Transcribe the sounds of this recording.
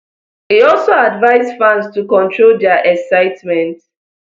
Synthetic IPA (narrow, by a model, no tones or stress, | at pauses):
hiɔlsoadvaɪzfãnstukɔ̃ntɹoldɛʔɛksaɪtmɛ̃nt